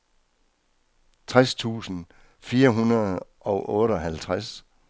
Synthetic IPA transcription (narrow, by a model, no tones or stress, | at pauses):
t͡sʰʁast͡sʰṵːsn̩ | fiːɐɦunɐð̩ˠʔɒ̽ʊʔɔ̽ːɾəɒ̽ɦælt͡sʰʁas